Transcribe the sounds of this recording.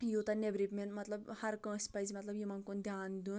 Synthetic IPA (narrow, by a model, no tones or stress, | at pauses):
jot̪ɐnebɾipmenmɐt̪lɐbhɐɾkə̃ːsʲpɐjzimɐt̪lɐbjimɐnkond̪ʱʲjaːnd̪uːn